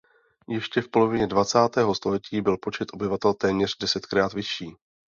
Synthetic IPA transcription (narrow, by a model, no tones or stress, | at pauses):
jɛʃcɛfpo̞lo̞vɪɲɛdvat͡saːt̪ɛːɦost̪o̞lɛciːbɪlpo̞t͡ʃɛt̪ʔo̞bɪvat̪ɛlt̪ɛːmɲɛr̝̥dɛsɛt̪kɾaːt̪vɪʃiː